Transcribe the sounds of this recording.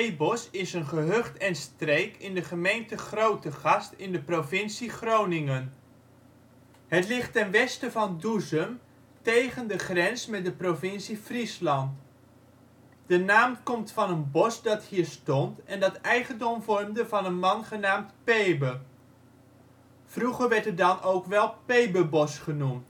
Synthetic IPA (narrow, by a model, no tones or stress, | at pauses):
ejbɔsɪsənχəɦøχtɛnstrejkɪndəχəmejntəχrowtəχɑstɪndəprovɪnsiχrownɪŋən | ɦətlɪχtːɛnʋɛstəvɑnduzəm | tejχəndəχrɛnsmɛt̚dəprovɪnsifrislɑnt | dənaːmkɔmtfɑnənbɔsdɑthiːɹstɔntɛndɑtɛjχəndɔmvɔrmdəvɑnənmɑnχənaːmtpejbə | fruχəɹʋɛɹtədɑnʔowkʋɛlˠpejbəbɔsχənumt